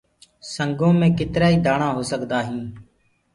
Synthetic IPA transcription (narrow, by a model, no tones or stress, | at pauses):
səŋɡõːmẽːkɪt̪ɾaːiːd̪aːɳãːɦoːsəkd̪aːɦĩː